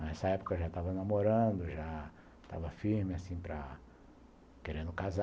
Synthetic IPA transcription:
ɛsɐɛpʊ̥kɐʒat̪avɐnamoɾɐ̃d̪ʊʒa | t̪a̰vɐfiɾmɪasĩpɾɐ | keɾẽnd̪ʊkaza

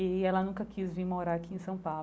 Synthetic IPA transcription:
iɛlɐnũkɐkʰizviɾmoɾaɾakiẽsɐ̃w̃paw

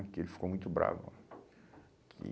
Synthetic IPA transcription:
kɪelɪfi̥komũj̃t̪ʊbɾa̰vʊ̰ | kʰɪ

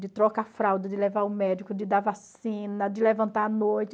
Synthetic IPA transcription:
d̪ɪt̪ɾɔkafɾawd̪ɪd̪ɪlevaʊmɛd̪ɪkʊd̪ɪd̪avasĩnɐd̪ɪlevɐ̃nt̪aɐnojt̪ɪ

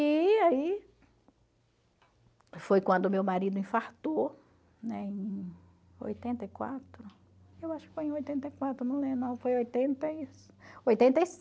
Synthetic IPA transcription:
iai | fojkwɐ̃nd̪ʊmewmaɾid̪ʊĩfaɾt̪o | nɛẽj̃ | o̰jt̪ẽnt̪ɐikwa̰t̪ɾʊ | ewaʃʊ̥kɪ̥fojẽojt̪ẽnt̪ɐikwat̪ɾʊnɐ̃w̃lẽnɐ̃w̃fojojt̪ẽnt̪ɐisojt̪ẽnt̪ɐs

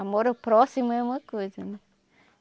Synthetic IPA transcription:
amoɾawpɾɔsimʊɛũmɐkojzɐnɛ̃

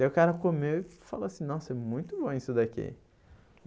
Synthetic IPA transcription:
eʊkaɾɐkomewɪfaloasĩnɔ̃sɛmũj̃t̪ʊbõisʊd̪akḭ

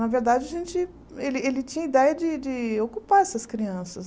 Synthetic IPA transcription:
nɐveɾd̪ad͡ʒɪɐʒẽnt͡ʃɪ | elɪelɪt͡ʃĩɲɐid̪ɛjɐd͡ʒɪd͡ʒɪokupaɾɛsɐskɾiɐ̃sɐs

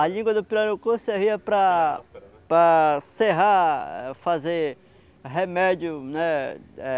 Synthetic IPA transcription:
ɐlĩɡwɐd̪ʊpiɾaɾʊkoseɦiɐpɾɐ | pɾɐseɦaɛfaze | ɦemɛd͡ʒjʊnɛɛ

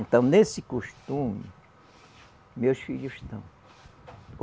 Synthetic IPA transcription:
t̪amnesikuʃt̪umḭ | moʃijuʃt̪am

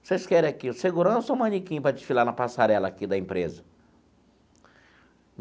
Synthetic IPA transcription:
seskɛɾẽakiseɡuɾɐ̃sowmɐ̃nikĩɲʊpɾɐd͡ʒɪsfilaɾnɐpasaɾɛlɐakid̪ɐĩmpɾezɐ

